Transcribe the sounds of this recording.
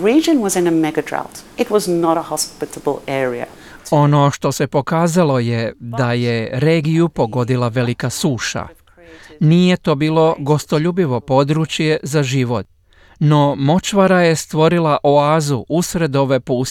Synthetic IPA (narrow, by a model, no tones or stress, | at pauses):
ɹid͡ʒɨ̃nwʌzɨ̃nəmɛɡədɹa̰ʊtɪt̚wʌznəɾəhɑspɪɾəbl̩ˠɛɹiə̰ | o̞no̞ʃt̪o̞se̞po̞kaːzalo̞jed̪aje̞ɾe̞ːɡijupo̞ɡo̞d̪ilˠaʋe̞likasuːʃa̰ | nijet̪o̞ːbiːlo̞ɡo̞st̪o̞ʎuːbiʋo̞po̞d̪ɾut͡ʃje̞zaʒiʋo̞t̪̚ | no̞mo̞t͡ʃʋaɾaje̞st̪ʋo̞ɾilaʔoaːzuʔusɾe̞d̪o̞ʋe̞puːs